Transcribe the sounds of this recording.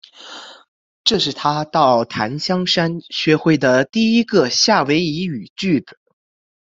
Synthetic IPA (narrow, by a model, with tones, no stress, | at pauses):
ʈ͡ʂɤ˥˧ʂɻ̩˥˩t̪ʰa˥t̪ɑ˥˩ʊt̪ʰa̰˧˥nɕjɑ˥ŋʂa˥nɕɥɛ˧˥xwe˥˩ɪd̪ə˩t̪i˥˩i˥ɡə˧ɕja˥˩we˧˥ɪi˧˥y˨˩t͡ɕy˥˩t͡s̩˩˦